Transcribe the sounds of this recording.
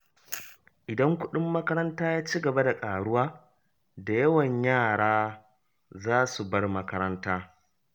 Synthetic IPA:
ʔɪ˨dɐ˦ŋkʷʊ˦ɗɪ˦mːɐ˦kɐ˦ɾɐ˦ntaː˦jaː˦t͡ʃiː˦ɡɐ˨ba˦da˨kʼaː˨ɽʊ˦waː˦ | da˨jɐ˦wɐ˨ɲjaː˦˨ɽaː˦ | zaː˦su˨bɐ˦rmɐ˦kɐ˦ɾɐ˦ntaː˦

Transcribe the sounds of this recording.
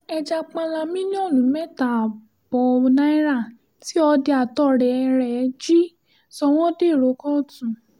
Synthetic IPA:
ɛ˧d͡ʒa˧k͡pã˧la˧mĩ˦nĩ˦ɔ˦˨lũ˨˦mɛ˦ta˨ | b̥ɔ˨˦˧nã˦i˦ɾa˦˨ | ti˦ɔ˧de˧a˨tɔ˦ɾɛ˨˧ɾɛ˨˧d͡ʒi˦ | sɔ˧w̃ɔ̃˦de˦˨ɾo˨˦kɔ̃˦˨tũ˨

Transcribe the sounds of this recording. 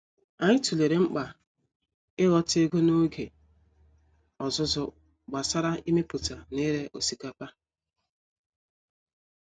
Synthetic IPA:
a˨ɲɪ˦tu˨le˨ɾe˨ŋ͡m̩˦k͡pa˨ | ɪ˦ɣɔ˦te˦ɡo˦no˦ɡe˨ | ɔ˨zʊ˦zʊ˨ | ɡ͡ba˨sa˦ɾa˦i˦me˦pʊ˨ta˨ne˦ɾe˦ʔo˨si˨ka˨pa˦

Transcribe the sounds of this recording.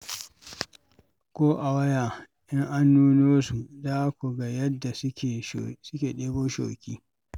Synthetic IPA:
kʷoː˦ʔa˨wɐ˦jaː˨ | ʔɪ˦ŋʔa˦nːuː˦noː˦su˨da˦kʷu˨ɡa˨jɐ˦dːa˨sʲe˨sʊ˦kʲeː˨ɗeː˦boː˦ʃo̰ː˨kʲiː˦

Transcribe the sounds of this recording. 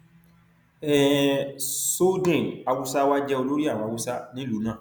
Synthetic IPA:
ɛ˦˨ | so˦dẽ˦˨a˧wu˦sa˦wa˦d͡ʒɛ˦o˧lo˦ɾi˦a˦˨w̃ɔ̃˧a˨wu˦sa˦nĩ˦lu˨˦nã˦˨

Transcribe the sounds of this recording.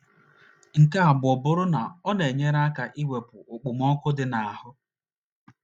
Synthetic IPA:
ŋ̩˨ka˦a˨bʊ˨ɔ˨bʊ˦ɾʊ˦na˨ɔ˦ne˨ɲe˦ɾa˦ka˨ʔi˦we˨pʊ˨ʊ˨k͡pʊ˨mɔ˦kʊ˦dɪ˨na˨a˨hʊ˦

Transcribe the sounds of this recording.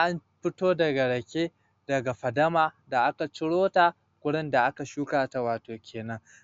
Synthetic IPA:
ʔa˦nɸɪ˦toː˦dɐ˨ɡa˨ɽɐ˨kʲeː˦ | dɐ˨ɡa˨ɸɐ˨dɐ˦maː˨da˨ʔa˦ka˨t͡ʃɪ˦ɽoː˦ta˨ | kʷʊ˦ɽɪ˦nda˨ʔa˦ka˨ʃuː˦kaː˨ta˨waː˨toː˨kʲʰeː˨nɐ˦ŋ

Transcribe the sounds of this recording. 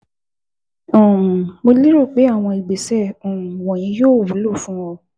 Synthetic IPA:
õ˨mo˧li˦ɾo˦˨k͡pe˨˦a˦˨w̃ɔ̃˧i˨ɡ͡be˨sɛ˦˨õ˨wɔ̃˨j̃ĩ˧˦joː˦˨wu˨˦lo˦˨fũ˦wɔ̃˧

